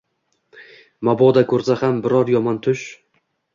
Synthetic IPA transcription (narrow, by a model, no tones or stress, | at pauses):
mabɒd̪akʰɵɾsahambɪɾɒɾjɒmant̪ʰʊʃ